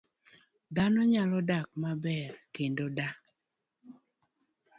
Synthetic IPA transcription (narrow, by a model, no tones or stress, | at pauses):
d̪anɔɲalɔdak̚mabɛrkendoda